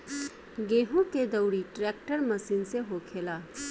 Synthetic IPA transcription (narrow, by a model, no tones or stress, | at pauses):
ɡeɦuked̪ɐwɾiʈɾek̚ʈəɾmɐsinseɦokʰela